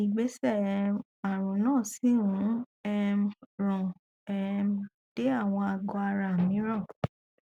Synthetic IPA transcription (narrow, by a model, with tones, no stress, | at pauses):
i˨ɡ͡be˨˦sɛ˦˨ | a˨ɾ̃ũ˨nãː˦˨si˦ũ˨˦ | ɛ˦˧mɾɔ̃˨ | ɛ˧m | d̥e˦a˦˨w̃ɔ̃˧a˧ɡɔ˧a˧ɾa˨mĩ˨˦ɾɔ̃˦˨